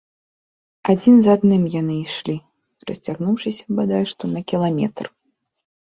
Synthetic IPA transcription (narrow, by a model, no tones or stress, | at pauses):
ad͡zʲinzad̪nɨmjanɨiʂlʲi | ɾɐsʲt͡sʲaɣnuwʂɨsʲɐ̥bad̪ajɛʂt̪ɔnɐkʲilˠamʲɛ̰t̪r